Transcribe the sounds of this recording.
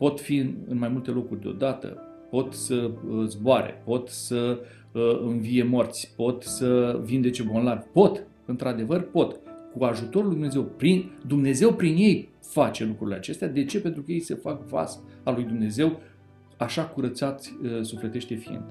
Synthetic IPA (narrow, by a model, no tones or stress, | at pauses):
po̞t̪fiɨ̰nmajmult̪e̞lo̞kurʲd̪eo̞̰d̪at̪ə̰ | po̞t̪səzboaɾḛpo̞t̪sə | ɨnvije̞mo̞rt̪sʲpo̞t̪səvind̪e̞t͡ʃe̞bo̞nlarvʲpo̞t̪ | ɨnt̪ɾad̪e̞vərpo̞t̪kuaʒut̪o̞ɾulujd̪umnezewpɾind̪umne̞ze̞wpɾinje̞j | fat͡ʃe̞lukɾuɾile̞at͡ʃe̞st̪ead̪e̞t͡ʃe̞pe̞nt̪ɾukəjejsəfakva̰salujd̪umne̞ze̞w | aʃakuɾət̪sat̪sʲəsufle̞t̪e̞ʃt̪efiḭnd̪